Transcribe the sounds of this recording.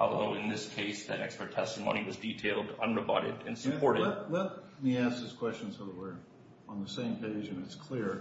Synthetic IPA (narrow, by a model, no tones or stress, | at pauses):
ɔ̰lˠðo̰ʊɨ̃nðɪskʰeɪsðɨɾɛ̰kspə˞tʰɛstəmõ̰ʊ̃niwʌzditʰeɪlˠdʌ̰̃nɹɨbɑ̰ɾɪ̰ɾɨ̰̃nsəpʰɔɹɾɨlɛt̚lɛt̚ | miæs̚ðɨz̥kʰw̥ɛst͡ʃɨ̃n̩z̥haʊðəwə˞ | ə̃nðəsẽɪ̃mkʰeɪd͡ʒɨ̃nɨtskʰl̥ɪɹ